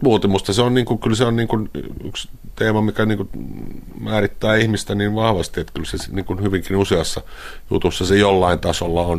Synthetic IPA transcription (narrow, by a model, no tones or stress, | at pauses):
muːt̪emust̪ɑseonniːŋkukylseonniːŋkuny̰kst̪eːmɑmikæniːŋku | mæːrit̪ːæːihmist̪æniːʋʋɑhʋɑst̪iet̪kylsesniːŋkunhyʋiŋkinuseɑsːɑjṵt̪usːɑsejolːɑint̪ɑsolːɑon